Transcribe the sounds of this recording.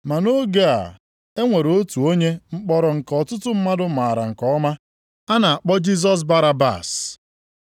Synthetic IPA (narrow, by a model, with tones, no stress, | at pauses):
ma˨no˦ɡe˦a̰˨ | e˦ŋʷe˨ɾo˦tu˨o˦ɲe˦ŋ͡m̩˦k͡pɔ˦ɾɔ˨ŋ̩˨kɔ˨tʊ˦tʊ˦m̩˦ma˦dʊ˦ma˨ɾa̰˨ŋ̩˨kɔ˦ma˦ | a˦na˨a˨k͡pɔ˦d͡ʒi˦z̬ɔ˦s̬ba˦ɾa˦ba̰˨s